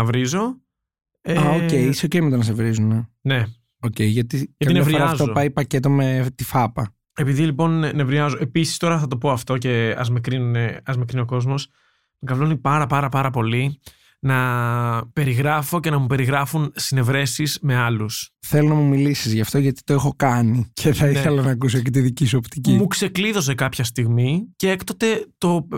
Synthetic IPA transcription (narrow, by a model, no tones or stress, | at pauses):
ɐvɾizo̞ | eaocejisoceimet̪onɐsevɾizunene̞ | oce̞iʝɐt̪ikɐtɐinevɾioɾɐfzoopɐjipɐcet̪o̞met̪ifɐpɐ | e̞piðilipo̞nne̞vɾiɐzo̞ʔe̞pisi̥st̪o̞ɾɐθɐt̪o̞po̞ɐft̪o̞ce̞ɐ̰zmekɾinuneɐzmekɾinio̞ko̞zmo̞s | mɡɐvlonipɐɾɐpɐɾɐpɐɾɐpo̞li | nɐ | pe̞ɾiɣɾɐfo̞ce̞nɐmupe̞ɾiɣɾɐfunsine̞vɾe̞sizme̞ɐlusθelonɐmumilisizʝɐft̪oʝɐt̪i̥t̪oexo̞kɐnicʰe̞θɐiθelɐnɐːkus̬ocet̪iðicisuo̞pt̪icimukse̞kliðo̞s̬e̞kɐpçɐst̪iɣmiceekt̪ot̪e̞t̪o̞